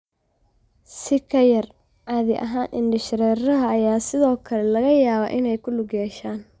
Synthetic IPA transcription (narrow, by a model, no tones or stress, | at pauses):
sɪkʰɐjɐr | aːðɪʔɐ̰ɦaːnʔɪnɖɪʃɾɛrɐɦɐːjaːsɪðɔːkʰɐlɛlɐɣɐjaːβa̰ːʔɪnɛjkʰʊlʊɡjɛːʃaːn